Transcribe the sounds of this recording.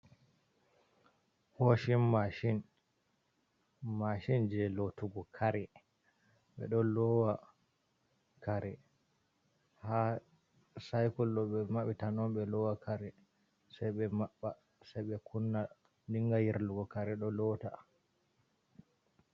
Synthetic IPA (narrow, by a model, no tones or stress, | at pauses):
hoʃinmaʃin | maʃind͡ʒɛlotuɡɔkʰaɾɛ | ɓɛ̰ɗɔlɔwa | kaɾɛ | ha | sajkɔlːɔɓɛmaɓitanɔmɓɛlɔwakʰaɾɛ | sɛjɓɛmaɓːa | sɛjɓɛkʰunːa | diŋɡajiɾluɡɔkaɾɛɗɔlɔta